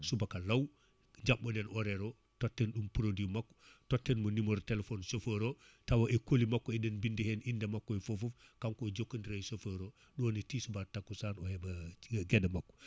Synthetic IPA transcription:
subakalɐw | ɲd͡ʒaɓːɔdɛnɔɾeɾo | totːɛnɗumpuɾodimakːɔ̥totːɛnmɐnimoɾtelefonsofəɾo | tawaʔekolimakːɔɛdɛnbindihenindɐmakːɔifofufkaŋkod͡ʒokːəndiɾajsofəɾo | ɗɔːnitiːsubatakːusanɔhebɐɡɛdmakːɔ̥

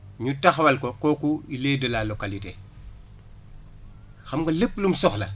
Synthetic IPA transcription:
ɲutaxwɐlkokoːkuileːdɐlaːlokalitḛː | xɐmkolepːlumsɔxlɐ̰

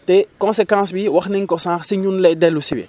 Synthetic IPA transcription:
tɛkɔ̃nsekãːs̬biwɐxniŋkɔsãːxsiɲunlɛdɛlusibɛ̰

